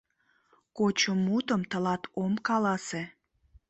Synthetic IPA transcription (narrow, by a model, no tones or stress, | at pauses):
kot͡ɕəmːut̪əmt̪əlɑt̪omkɑlɑse